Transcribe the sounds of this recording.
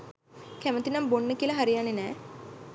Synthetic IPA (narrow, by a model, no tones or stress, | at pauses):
kæmət̪inambonːəkiəlɐɦaɾijanːenɛː